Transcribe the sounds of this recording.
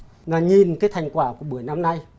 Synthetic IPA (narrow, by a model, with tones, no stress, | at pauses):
ŋaː˨˩ɲi˨nkaː˨˦jt̪ʰa˨˩jŋ̟kwaː˧˩ku˧˩əɓu˧˩əjna˧mna˧j